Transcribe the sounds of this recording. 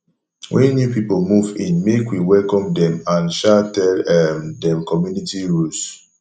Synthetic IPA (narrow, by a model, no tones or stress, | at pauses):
wʔɛ̃njupipomuvĩnmekwiwɛlkɔ̃mdɛ̃mãnʃatɛlɛmdɛ̃mkɔmjunitiɹus